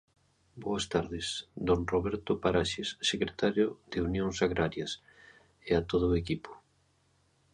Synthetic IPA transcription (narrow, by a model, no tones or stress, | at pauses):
boɐst̪aɾðɪsd̪oŋroβɛɾt̪ʊpaɾaʃesːekɾet̪aɾjoð̥eunjoŋsaɣɾaɾjɐs | eat̪oð̞ʊekipo̥